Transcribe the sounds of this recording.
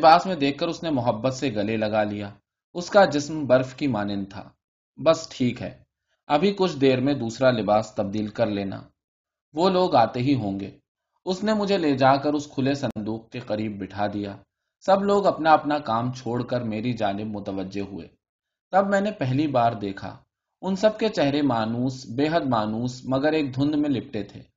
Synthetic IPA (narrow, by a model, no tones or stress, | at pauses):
lɪbaːsmẽd̪eːk̚ʰkːəɾʊsnemʊɦəbːət̪seɡɐlelɐɡalijaː | ʊskad͡ʒɪsmbɐɾfkimaːnɪnt̪ʰa̰ː | bɐsʈʰiːkɦɛ̰ː | ɐbʱikʊt͡ʃʰd̪eːɾmẽd̪uːsɾalɪbaːst̪ɐb̚d̪iːlkɐɾleːna̰ː | ʋoːloːɡaːt̪eɦiɦõːŋɡḛː | ʊsnemʊd͡ʒʱeled͡ʒaːkəɾʊskʰʊlesɐ̃nd̪uːq̚keqɐɾiːbːɪʈʰad̪ijaː | sɐbloːɡɐpnaɐpnakaːmt͡ʃʰoːɽkəɾmeːɾid͡ʒaːnɪb̚mʊt̪əʋəd͡ʒeɦʊḛː | t̪ɐbmɛ̃ːnepɛɦlibaːɾd̪eːkʰa̰ | ʊnsɐb̚ket͡ʃɛɦɾemaːnuːsbeːɦəd̪maːnuːsmɐɡəɾeːk̚d̪ʱʊ̃nd̪mẽlɪp̚ʈet̪ʰḛː